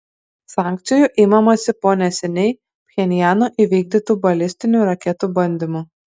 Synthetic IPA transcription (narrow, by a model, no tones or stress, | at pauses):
sɑːˑŋʲkt̪sʲɪjuˑʔɪmɐmɐsʲɪpoːnʲɛsʲɛnʲɛɪ | pʲxʲɛnʲɪjæːnoːʔiʋʲiːɡ̚d̪ʲɪt̪uːbɐlʲɪsʲt̪ʲɪnʲuːɾɐkʲɛt̪uːbɐnʲd̪ʲɪmuː